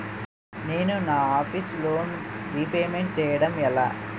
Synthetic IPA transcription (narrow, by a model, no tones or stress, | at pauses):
ne̞ːnunaːaːpʰisloːnɾipeːmeɳʈ̚t͡ʃɛːjɐɽɐmɛla̰ː